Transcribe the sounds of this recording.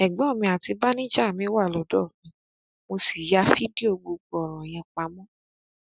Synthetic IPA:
ɛ˨ɡ͡bɛ˨˦˨mĩ˧a˨ti˧ba˦nĩ˦d͡ʒa˦˨mĩ˨˦wa˦˨lɔ˨˦dɔ˦˨nĩ˨˦ | mo˧si˨ja˧˦fi˦di˦o˧ɡ͡bo˧ɡ͡bɔ˨ɾ̃ɔ̃˨j̃ɛ̃˧k͡pa˧mɔ̃˦

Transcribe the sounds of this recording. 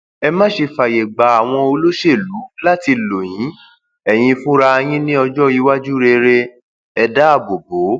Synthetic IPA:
ɛ˧mã˦ʃe˧fa˨je˨ɡ͡ba˨a˨w̃ɔ̃˧o˧lo˦ʃe˦˨lu˨˦la˦ti˧lo˨j̃ĩ˨˦ | ɛ˨j̃ĩ˧fũ˦ɾa˧j̃ĩ˦nĩ˦ɔ˧d͡ʒɔ˦i˧wa˦d͡ʒu˦ɾe˧ɾe˧ | ɛ˧da˦a˦˨bo˨bo˨˦

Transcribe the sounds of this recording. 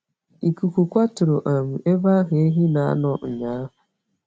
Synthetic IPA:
i˨ku˨kʷu˨kʷa˦tʊ˨ɾo˨ʔa˨mu˨ʔe˦ba˦ɦe˦ɦi˦na˨a̰˦nɔ˦ŋ̩˨ɲa˨˦ɦʊ˨

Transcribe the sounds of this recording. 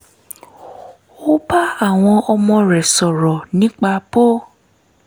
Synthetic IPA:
o˦ba˦a˦˨w̃ɔ̃˧ɔ˧mɔ̃˧ɾɛ˨sɔ˨ɾɔ˨nĩ˦k͡pa˧bo˦

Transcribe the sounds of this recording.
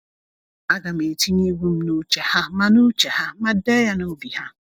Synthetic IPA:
a˦ɡa˨me˨ti˦ɲi˦ɡʷu˦m̩˦nu˦t͡ʃe˨ha˦ma˦nu˦t͡ʃe˨ha˦ma˦deː˦ja˦no˦bi˨ha˦

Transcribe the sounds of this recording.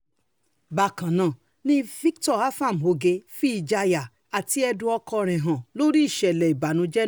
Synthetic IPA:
ba˧˨kã˨nã˨ | nĩ˦fi˦ktɔ˦˨a˦fa˦˨m˨o˨˧ɡe˧fi˦i˧˨d͡ʒa˧ja˨ | a˨ti˨˦ɛ˧dũ˧˦ɔ˧kɔ˧ɾ̃ɛ̃˨ɦã˨lo˦ɾi˦i˦˨ʃɛ˨lɛ˨i˨ba˨nũ˧d͡ʒɛ˦

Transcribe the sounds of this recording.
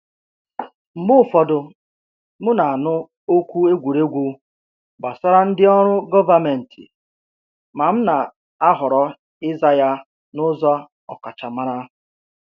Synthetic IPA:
m̩˨bʊ˦˨fɔ˦dʊ˦ | mʊ˦na˨a˨nʊ˦ | o˦kʷu˦e˦ɡʷu˨ɾe˦ɡʷu˦ | ba˨sɔ˦ɾa˦n̩˦dɪ˦ɔ˦ɾʊ˦ɡɔ˦va˦me˨n̩˨tʰɪ̰˨ | ma˨m̩˦na˨ | a˦ɦʊ˨ɾɔ˦ | ɪ˦za˦ja˦ | nʊ˦zɔ˦ | ɔ̰˨ka˨t͡ʃa˨ma˦ɾa˦˨

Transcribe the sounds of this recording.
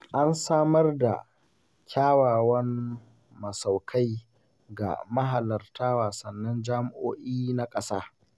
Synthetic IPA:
ʔa˦nsaː˦mɐ˦rda̰˨ | kʲʰaː˦waː˨wɐ˦n | mɐ˨sa˨wkʰa˦j | ɡa̰˨mɐ˦ɦa˨lɐ˨rtaː˦waː˨sɐ˨nːɐ˦nd͡ʒaː˦mɪ˨ʔoː˦ʔiː˦na˦kʼɐ˦saː˦

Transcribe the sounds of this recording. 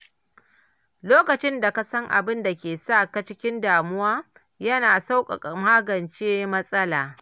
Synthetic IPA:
loː˦kɐ˨t͡ʃɪ˦nda˨ka˨sɐ˦ŋʔa̰˨bɪ˦nda˨kʲeː˨sa˦˨ka˦t͡ʃɪ˦kʲɪ˦ndaː˨mʊ˦waː˦ | jɐ˦naː˨sa˦wkʷʼɐ˨kʼa˨maː˦ɡɐ˨nt͡ʃeː˦mɐ˦sʼɐ˦laː˨

